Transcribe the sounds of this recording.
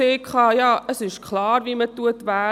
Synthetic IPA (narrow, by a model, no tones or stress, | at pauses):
eːkχɑːjɑːʔəsɪʃkʰlɑːɾviːmətːuətvæː